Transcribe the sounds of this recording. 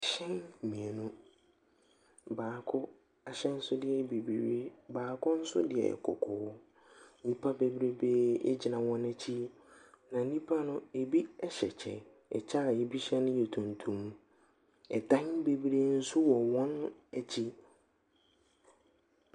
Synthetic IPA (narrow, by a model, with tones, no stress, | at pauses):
ɕɛ̃˦n˨mĩ˨e˨nũ˦ | baː˨kʰʊ˦ | a˨ɕɛ˦n̩˦sʊ˦dɪ˦ɛ˨be˨bi˨ɾe˦baː˨kʰʊ˦n̩˦sʊ̰˦dɪ˨ɛ̰˨kʰɔ̰˨kʰɔː˦ | nĩ˦pʰa˦be˦bɾe˦beː˦ɛ̰˦d͡ʑɪ˨nã˨wɔ̃˦næ˦t͡ɕʰi˦ | nã˨˦nĩ˦pʰa˦nʊ̃˦e˨bi˦ɛ˦ɕɛ˨t͡ɕʰɛ̰˨ | ɛ̰˨t͡ɕʰa˦˨jɛ˨bi˦ɕɛ̃˦nʊ̃˦jɛ˨tʰũ˨ntʰũ˨m˦ | ɛ˨dã˦n˦be˨bi˦ɾe˦n̩˦sʊ˦wɔ˨wɔ̃˦næ˦t͡ɕʰi˦